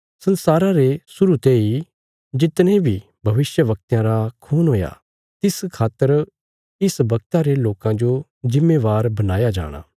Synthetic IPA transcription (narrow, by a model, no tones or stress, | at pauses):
sɐ̃nsaːɾãɾesʊɾut̪ei | d͡ʒɪt̪nẽbʱi | bʱɐʋɪsjəʋɐk̚t̪jãɾakʰuːnɦoːja̰ | t̪ɪskʰaːt̪əɾ | ɪsbɐk̚t̪aɾeloːkãd͡ʒo | d͡ʒɪmːeʋaːɾbɐnaːjad͡ʒa̰ːɽ̃a̰ː